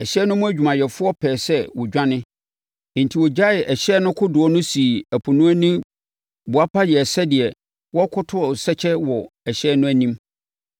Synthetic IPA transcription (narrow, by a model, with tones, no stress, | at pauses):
ɛ˨ɕɛ˦nʊ̃˦mʊ̃˦æ˦d͡ʑᶣu˨mã˨jɛ˨fʊ˦ɔ˦pʰɛː˨sɛ˦wɔ˨d͡ʑᶣã˦nɪ̃˦ | ɪ̃˨ntʰi˨wɔ˨d͡ʑa˦ɪ˨ʔɛ˨ɕɛː˦nʊ̃˦kʰʊ˦dʊ˨ɔ˦nʊ̃˦si˨æ˨pʰu˨nũ˦æ˦nĩ˦m | bʊ˨a˦pʰa˦jɛ˨sɛ˦dɪ˨ɛ˨ | wɔ˦kʰʊ˦tʰʊ˦ɔ˨sɛ˦t͡ɕʰɛ˦wɔ˨ɛ˨ɕɛː˦nʊ̃˦æ˦nĩ˦m